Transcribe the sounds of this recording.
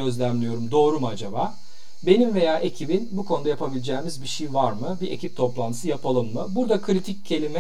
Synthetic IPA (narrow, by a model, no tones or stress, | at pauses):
ø̞zlʲæmlʲijo̞ɾumd̪o̞ːɾumad͡ʒabaː | be̞nimve̞jaːʔe̞cʰibinbukʰo̞nud̪ajapʰabilʲid͡ʒɛːmizbiʃijvaɾmɯbiʔe̞̰cʰip̚t̪ʰo̞plˠant̪ʰɯ̥sɯjapʰalˠɯmːɯbuɾd̪akʰɾit̪ʰic̚ʰcʰːe̞lʲimɛ